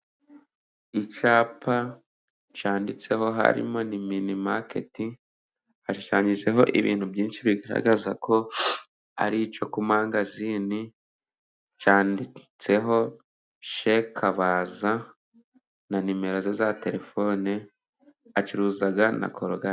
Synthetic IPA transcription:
it͡ʃaːpʰa | t͡ʃaːndit͡se̞ɦo̞ɦa̰ɾḭmo̞niminimake̞̰ti | haʃuʃaɲiʒe̞ɦo̞̰ʔiβḭːn̥hubɟiːnʃiβiɡaɾa̰ɡazakʰo̞ | a̰ɾit͡ʃo̞kumaːŋɡazini | t͡ʃaːndit͡se̞ɦo̞ | ʃe̞kʰaβaza | nanime̞ɾozezate̞ɾe̞fo̞ne | at͡ʃuɾuːzaɡana̰kʰoɾoɡa

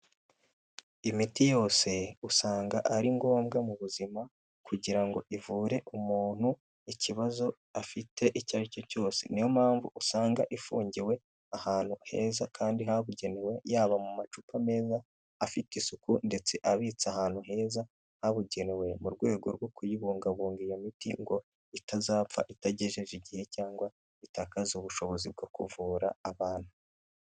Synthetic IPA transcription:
imitijo̞ːse̞usaːŋɡaʔaɾiŋɡo̞ːmbɡamuβuzima | kuɟiɾaŋɡo̞̰ʔivuːɾe̞ʔumuːn̥hu | iciβazo̞ | afitʰe̞ʔicaɾico̞co̞ːse̞̰nijomhaːɱvṵʔusaːŋɡaʔifuːɲɟiwe̞ | ahaːn̥huhe̞ːzakʰaːndiɦaβuɟe̞newe̞jaːβamumat͡ʃupame̞ːzaː | fitisukunde̞t͡se̞ʔaβiːt͡sahaːn̥huɦe̞ːza | haβuɟe̞newe̞muɾɡwe̞ːɡo̞ɾɡwo̞kujiβuːŋɡaβuːŋɡijamitḭŋɡo̞ | itazaːpp͡fa̰ʔitaɟe̞ʒe̞ʒiɟihe̞caːŋɡwa | itakazuβuʃo̞βo̞zib̚ɡo̞kṵvuːɾa̰ːβaːn̥hu

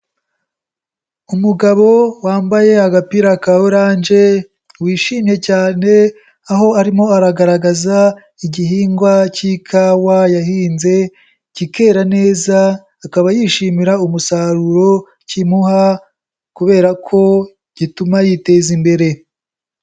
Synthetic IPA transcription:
umuɡaβo̞waːmbaje̞aɡapiɾakaoɾaːnd͡ʒe̞ | wiːʃiːmje̞caːne̞ | aɦo̞aɾimo̞aɾaɡaɾaɡaza | iɟihiːŋɡwacikʰawajahiːnze̞ | cike̞ːɾane̞ːzaː | kaβajiʃiːmiɾaumusaɾuɾo̞ | cimuha | kuβe̞ːɾakʰo̞ | ɟ̥itumajite̞ːzimbe̞ɾe̞

